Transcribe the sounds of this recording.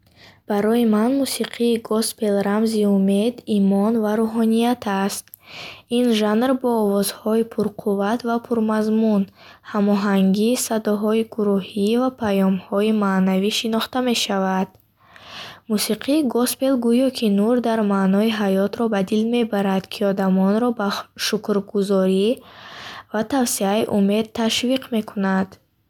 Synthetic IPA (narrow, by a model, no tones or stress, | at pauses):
b̥aɾɔjimanmusiqʰiːɡɔspe̞lɾamziume̞d̪imɔnvaɾuɦɔnijat̪ʰast̪ | inʒanrbɔːvɔzhɔipʰuɾqʰuvat̪vapʰuɾmazmunhamɔɦaŋɡisad̪ɔɦɔiɡuɾuhivapʰajɔmhɔimaːnaviʃinɔχt̪ame̞ʃavad̪̥ | musiqʰiɡɔspe̞lɡujɔkʰinuɾd̪aɾmaːnɔiɦajɔt̪ɾɔbad̪ilme̞baɾad̪̥kʰiɔd̪amɔnɾɔbaʃukɾɡuzɔɾi | vat̪ʰavsiaiʔume̞d̪̚t̪ʰːaʃviqʰme̞kʰunad̪̥